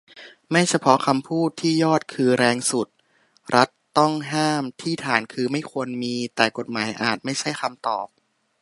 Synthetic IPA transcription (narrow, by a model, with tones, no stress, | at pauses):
ma˥˩jt͡ɕʰa˧pʰɔ˦˥kʰa˧mpʰuː˥˩t̪ʰːiː˥˩jɔː˥˩t̪̚kʰɯː˧ɾɛː˧ŋsu˨˩t̪̚ | ɾʔa˦˥t̪ːɔ˥˩ŋɦaː˥˩mt̪ʰiː˥˩t̪ʰaː˩˦nkʰɯː˧ma˥˩jkʰu˧ənmiː˧t̪ɛː˨˩ko˨˩t̪̚maː˩˦jʔa̰ː˨˩t̪̚ma˥˩jt͡ɕʰa˥˩jkʰa˧mt̪ɔ̰ː˨˩p̚